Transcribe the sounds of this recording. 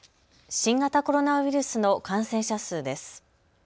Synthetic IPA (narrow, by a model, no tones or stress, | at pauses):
ɕĩŋɡat̪ako̞ɾo̞naβiɾɯ̟sɨno̞kãɰ̃sẽ̞ɰ̃ɕasɨːd̪e̞sɨ̥